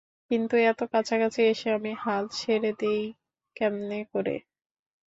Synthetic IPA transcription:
kint̪uɛt̪okat͡ɕʰakat͡ɕʰieʃeamihalʃʰeɾed̪ej | kɛmnekoɾḛ

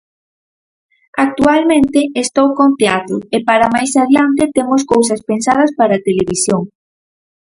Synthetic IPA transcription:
ak̚t̪ualmẽnt̪eest̪owkoŋp̪eat̪ʊepaɾamajsaðjant̪et̪emoskowsɐspensað̞ɐspaɾat̪eleβ̞isjoŋ

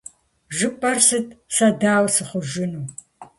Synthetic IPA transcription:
ʒɨpʼɐrsɨtʰʼsɐdaːwsɨχʷʊʒɪnuː

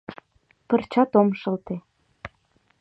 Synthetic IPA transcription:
pə̆rt͡ɕɑt̪omʃɤ̆lt̪e

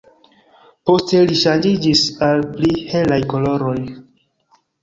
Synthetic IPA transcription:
po̞ste̞liʃand͡ʒid͡ʒisalplihe̞lajko̞lo̞ɾo̞j

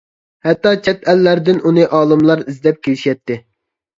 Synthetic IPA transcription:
hɛt̪ːɑt͡ʃʰɛt̪ʰɛlːæɾd̪ɪnunɨʔɑːlˠɨmlˠɑɾizd̪ɛp̚kʲʰelɪʃjɛt̪ːɪ

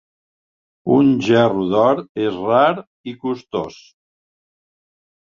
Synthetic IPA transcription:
unʒɛruðɔɾezraɾ | ikust̪o̰s

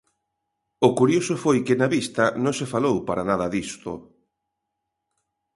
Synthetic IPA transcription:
ʊkuɾjosʊfojkɪnaβist̪ɐnõŋsefalowpaɾanað̞ɐðist̪o̰

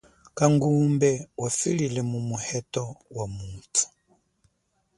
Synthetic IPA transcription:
kaŋɡumbɛwafililɛmumuhɛtɔwamutḁ

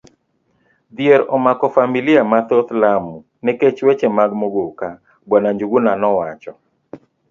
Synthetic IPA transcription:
d̪jeɾɔmakɔfamiliamat̪ot̪lamu | nɛket͡ʃwet͡ʃemaɡmoɡoka | bwanaɲd͡ʒuɡunanɔwat͡ʃɔ

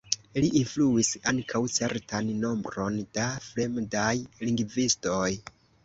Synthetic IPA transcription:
liʔinfluisaŋkʰawt͡se̞ɾtanːo̞mbɾo̞nd̥afɾe̞mdajliŋɡvisto̞j

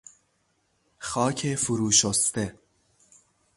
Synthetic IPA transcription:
xɒːcʰefuɾuːʃost̪e

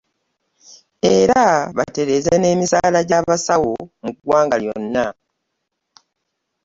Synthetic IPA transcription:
e̞ɾaβa̰te̞ɾe̞zene̞ːmisaːlaɟaβasawo̞muɡwaːŋɡaljo̞̰nːa

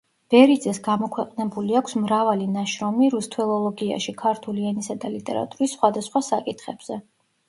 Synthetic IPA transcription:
b̥ɛɾid̪zɛsɡamɔkʰwɛqʼnɛbuliakʷʰsmɾavalinaʃɾɔmiɾust̪ʰwɛlˠɔlˠɔɡia̰ʃikʰaɾt̪ʰuliɛnisad̪alit̪ʼɛ̰ɾa̰t̪ʼuɾisːχwad̪asχwasakʼit̪ʰχɛb̥z̥ɛ

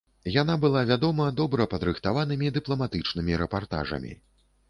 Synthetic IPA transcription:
jan̪abɨlˠavʲad̪ɔmɐd̪ɔbɾɐpɐd̪ɾɨxt̪avanɨmʲid̪ɨplˠɐmat̪ɨt͡ʂnɨmʲiɾɛpart̪a̰ʐɐ̰mʲḭ

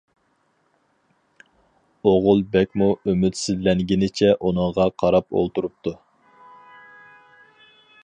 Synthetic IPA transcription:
oʁʊlˠbɛkʲmuømyt̪sɪzlɛŋɡʲinɪt͡ʃʰɛʔunɨŋʁɑqʰɑɾɑpo̰lˠt̪uɾup̚t̪ʰu

